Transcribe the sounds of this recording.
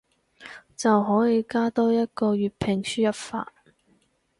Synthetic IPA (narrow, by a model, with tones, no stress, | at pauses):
t͡sɐ˨wɦɔː˨˥ji˨˧jkaː˥t̪ɔː˥jɐ˥t̚kɔː˧ɥyː˨t̚pʰɪ˨˩ŋsyː˥jɐ˨p̚fa̰ː˧˨t̚